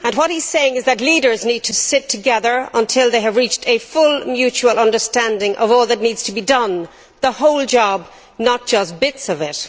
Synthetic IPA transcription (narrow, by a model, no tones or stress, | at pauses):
ə̃nwʌt̚hiz̥seɪɪ̃ŋɨzðɨt̬ˡliɾə˞znid̚tʰəsɪtʰəɡɛðə˞ə̃ntʰɪlˠðeɪɨvɹit͡ʃtʰɨfʊlmjʉt͡ʃuəlˠʌ̃ndə˞stæ̃ndɪ̃ŋʔʌ̰vɔːlˠðətⁿnidz̥tʰəbidʌ̃n | ðəhoʊlˠd͡ʒɑb | nət̚d̥ʒ̥ʌs̚b̥ɪtsʌvɪt̚